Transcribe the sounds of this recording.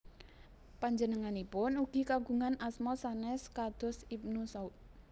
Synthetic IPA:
paɲd͡ʒənəŋanipʊnuɡ̥i̤kaɡ̥ṳŋanasmɔsanɛskad̪̥ɔ̤sib̚nusaut̪̚

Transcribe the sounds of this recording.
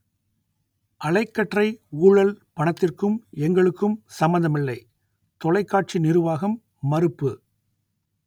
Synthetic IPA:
ʔɐɭɐɪkːɐʈrɐɪuːɻɐlpɐɳɐt̪ːɪrkɯmɛŋɡɐɭɯkːɯmsɐmːɐnd̪ɐmɪlːɐɪ | t̪ɔlɐɪkːaːʈ̚t͡ʃinɪɾɯʋaːɣɐmː | ɐɾɯpːɯ

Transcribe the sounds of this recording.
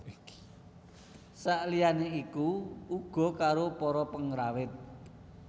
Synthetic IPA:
saʔlijaneikuuɡ̥ɔ̤kaɾopɔɾɔpəŋɾawɪt̪̚

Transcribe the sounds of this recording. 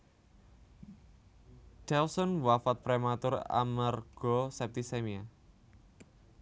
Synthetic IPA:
d̥ɛlsɔnwafat̪̚pɾemat̪ʊra̰marɡ̥ɔsɛp̚t̪isemia

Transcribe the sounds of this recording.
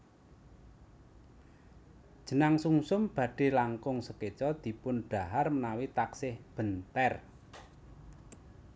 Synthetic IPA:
d̥ʒ̥ə̤naŋsuŋsʊmb̥ä̤ɖ̥e̤laŋkʊŋsəket͡ʃɔd̪̥i̤pʊnɖ̥ä̤ɦarmənawit̪aksɪhb̥ə̤nt̪ɛr

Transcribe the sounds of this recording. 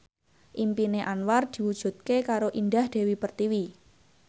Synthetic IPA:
ʔimpineʔanward̪̥i̤wud̥ʒ̥ṳt̪̚kekaɾoʔindahd̥e̤wipərt̪iwi

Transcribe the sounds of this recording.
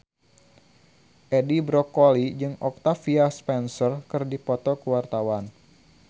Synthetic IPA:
ʔɛdibɾɔkolid͡ʒɨŋɔk̚t̪afiaspɛnsərkɨrdipɔt̪ɔkəwart̪awan

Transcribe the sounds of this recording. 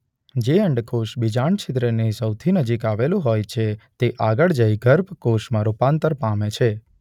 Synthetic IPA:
d͡ʒeəɳɖkʰoʃbid͡ʒaɳt͡ʃʰɪt̪ɾənesəwt̪ʰinəd͡ʒikaʋelũɦojt͡ʃʰet̪eʔaɡəɭd͡ʒəjɡəɾpkoʃmãɾupant̪əɾpamet͡ʃʰe

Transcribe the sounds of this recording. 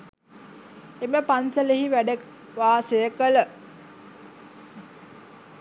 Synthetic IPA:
eməpansəleɦiʋæɖək | ʋaːsəjəkələ

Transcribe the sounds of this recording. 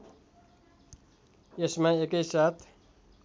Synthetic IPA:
esmãeːkəisaːt̪ʰ

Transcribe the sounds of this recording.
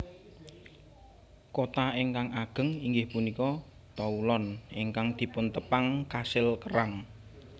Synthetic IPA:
kot̪aeŋkaŋaɡ̥ə̤ŋiŋɡɪhpunikɔ | t̪aulɔnʔeŋkaŋd̪̥i̤pʊnt̪əpaŋkasɪlkəɾaŋ

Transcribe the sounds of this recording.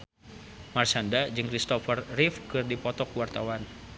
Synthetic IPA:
marsandad͡ʒɨŋkɾist̪ɔfərrifkɨrdipɔt̪ɔkuwart̪awan

